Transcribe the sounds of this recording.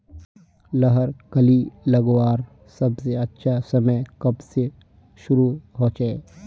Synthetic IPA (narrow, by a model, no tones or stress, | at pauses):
lɐɦəɾkəlilɐɡwaːɾ | sɐbseɐtːʃʰasɐməjkɐbse | ʃʊɾuɦoːt͡ʃee